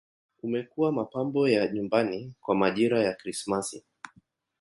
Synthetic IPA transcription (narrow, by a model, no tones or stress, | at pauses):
umɛkuwamapambɔjaɲumbanikwamaʄiɾajakɾismasi